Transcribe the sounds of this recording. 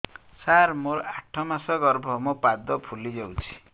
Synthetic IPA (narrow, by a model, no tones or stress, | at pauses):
saɾmoɾaʈʰːɔmasɔɡɔɾbʱɔmupad̪ɔpʰulid͡ʒewt͡ʃʰi̥